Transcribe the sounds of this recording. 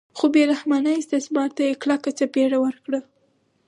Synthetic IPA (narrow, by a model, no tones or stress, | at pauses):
xobeɾahmɑnəjɪst̪ɪsmɑɾt̪ajeklakat͡sapeɽawəɾkɽə